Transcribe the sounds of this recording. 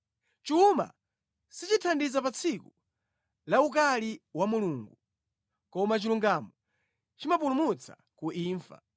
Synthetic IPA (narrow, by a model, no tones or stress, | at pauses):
t͡ʃuːma̰ | sit͡ʃitʰandizapat͡sʰiku | lauk̬aliwamuluːŋɡu | kɔmat͡ʃiluŋɡamɔ | t͡ʃimapulumut͡sʰa̰ | kuʔiːɱfa̰